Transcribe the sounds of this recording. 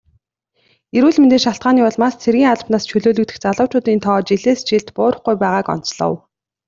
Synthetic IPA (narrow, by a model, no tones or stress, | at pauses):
eɾuːɮment̪eːʃaɬt̪ɢaːniːɔɮmaːst͡sʰerɣʲiːŋaɮ̆pnaːst͡ɕʰɵɮoːɮɵ̆kt̪ɘ̆xt͡saɮʊ̥ːt͡ɕʊːt̪iːnt̪ʰɔːt͡ɕiɮeːst͡ɕiɮt̪pʊːɾə̆χɡujpæːʁaːkɔ̰n̥t͡sɮɞ̰̆w